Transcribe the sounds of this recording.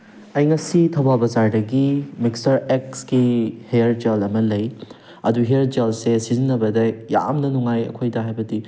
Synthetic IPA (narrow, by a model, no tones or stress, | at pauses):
ɐjŋɐsitʰɐwbabɐzaɾdɐɡimikstɐɾeksɡihejɐɾd͡ʒelɐmɐlɐj | ɐ̰duɦejɐɾd͡ʒelsesizinːɐbɐdɐja̰mnɐnuŋajɐ̰kʰojdɐɦajbɐdi